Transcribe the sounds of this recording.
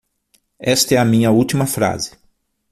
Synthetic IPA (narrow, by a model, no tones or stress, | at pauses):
ɛst̪ɐɛɐmĩɲɐut̪imɐfɾa̰zɪ̥